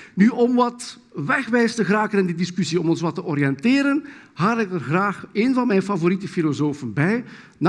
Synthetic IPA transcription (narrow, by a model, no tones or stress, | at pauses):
nyɔmʋɑt | ʋɛxʋɛjstəɣraːkənɪndidiskysiɔmɔnswɑtːəʔɔɾijɛnteːɾənhaːɾɪk̚ərɣraːxeːnvɑnmɛjnfavoɾitəfilozoːfənbɛj | na